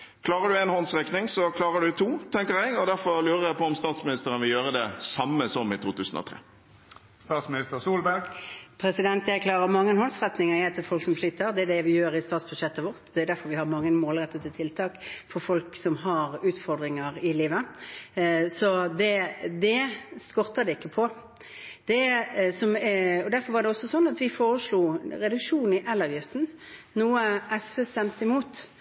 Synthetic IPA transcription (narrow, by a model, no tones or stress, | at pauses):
kʰlɑːʁəd̪ʉɛːnhɔnsʁɛknɪŋsɔkʰlɑːʁəɖʉt̪ʰuːt̪ʰɛŋkəɾjɛɡɔd̪æɾfɔɾlʉːɾəɾjæpʰɔɔmst̪ɑːt̪smɪnɪst̪əɾənʋɪljøːɾəd̪ɛsɑmːəsɔmɪt̪ʰuːt̪ʰʉːsənɔ̰t̪ʰɾḛː | st̪ɑːt̪smɪnɪst̪əɾsuːlbæɡpʰɾɛsɪd̪ɛnt̪jækʰlɑːʁəɾmɑŋːənhɔnsʁɛt̪nɪŋəɾjɛt̪ʰːɛfɔlksɔmʂɭiːt̪əɾd̪ɛæɖɛʋɪjøːɾɪst̪ɑːt̪sbʉʃɛt̪ːəʋɔɾt̪d̪ɛæɾd̪æɾfɔɾʋɪhɑɾmɑŋːəmoːlɾɛt̪ːət̪ɪlt̪ʰɪlt̪ʰɑːkfɔɾfɔlksɔmɦɑɾʉːt̪fɔɾd̪ɾɪŋəɾɪliːʋə | sɔd̪ɛd̪ɛskɔɾt̪ɑd̪ɛɪkːəpʰɔ | d̪̥ɛsɔmɔd̪æɾfɔɾʋɑɾɖ̪ɛɔsːɔsɔnːɑt̪ʋɪfoːɾəʂluːɾɛd̪ʉkʂuːnn̩ɪʔɛlːɑːʋjɪft̪n̩ | nuːəʔɛsʋeːst̪ɛmt̪əɪmuːt̪